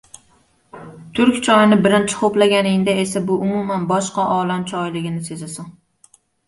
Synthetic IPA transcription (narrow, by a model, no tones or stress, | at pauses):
t̪ʰʊɾkʲt͡ʃʰɒjnɪbɪɾɪnt͡ʃʰɪ̥qʰoplaɡʲanɪŋd̪ae̞sabʊʔʊmʊmanbɒʃqɑʔɒlamt͡ʃʰɒjlɪɡʲɪnɪse̞zasɪŋ